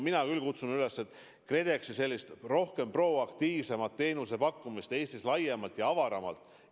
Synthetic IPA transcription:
minɑkylkut̪sunyle̞sːet̪ˑ | kre̞d̪e̞ksise̞lːist̪ro̞hke̞mpro̞ɑkt̪iːvse̞mɑt̪ːe̞ːnus̬e̞pɑkːumist̪e̞ːst̪islɑjːemɑlt̪jɑɑvɑɾɑmɑ̰lt̪ːˑ

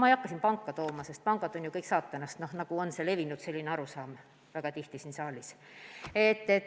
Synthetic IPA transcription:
mɑejɑkːɑsʲinpɑŋkːˑɑt̪o̞ːmɑse̞st̪̚pɑŋɡ̥ɑd̪̥o̞nʲjukɤjksɑːt̪ːˑenɑst̪no̞hnɑɡ̥uo̞nsele̞vinud̪̥se̞lʲːineɑɾusɑːm | væɡ̥ɑt̪iht̪isinsɑːlʲis | e̞t̪ːe

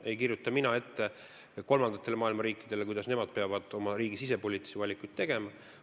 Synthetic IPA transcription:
e̞jk̬irjut̪ːˑɑminɑe̞t̪ːe | ko̞lmɑnd̪̥ɑt̪ːˑe̞lemɑːilmɑɾiːkːˑid̪̥e̞lek̬ujd̪̥ɑsne̞mɑd̪̥̚pe̞ɑvɑd̪̥o̞mɑɾiːɡ̥isise̞po̞lʲiːt̪ːˑi̥sevɑlʲikˑujt̪̚t̪e̞ɡ̥e̞mɑ

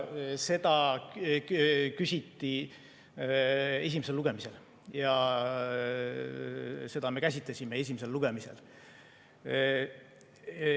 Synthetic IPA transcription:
se̞d̪̥ɑ | kysʲit̪ːi | e̞s̬ʲimese̞lːuɡ̥e̞mise̞l | jɑ | se̞d̪̥ɑme̞kæs̬ʲit̪lesʲime̞e̞s̬ʲimese̞lːuɡ̥e̞mise̞̰l

